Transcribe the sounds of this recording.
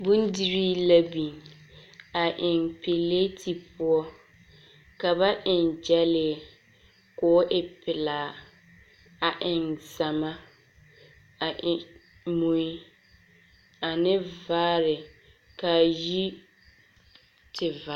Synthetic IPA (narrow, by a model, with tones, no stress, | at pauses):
bʊ˦ndi˦ɾiː˦la˦bi˨n | a˨ʔɪ˨npɪ˨le˦tʰi˨pʊ˦ɔ˦ | ka˨ba˦ʔɪ˨nd͡ʒɛ˦lɪ˨ɛ˨ | kʊ˨˦ʔɪ˨pɪ˨laː˨ | a˨ʔɪ˨nza˨ma˦ | a˨ʔ | mu˨ɪ˦ | a˨nɪ˦vaː˦ɾɪ˨ | ka˨ji˦ | tɪ˨va˨